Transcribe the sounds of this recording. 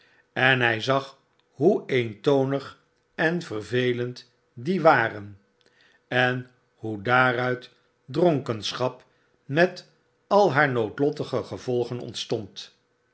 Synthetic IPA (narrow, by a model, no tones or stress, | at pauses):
ɛnɦɛjzɑχ | ɦuejntownəχ | ɛnvərvejlənt | diʋaːrən | ɛn | hudaːrœɥt | droŋkənsχɑp | mɛt | ɑlˠɦaːɹnowtlɔtəχəχəv̥ɔlˠχənɔ̰ntstɔnt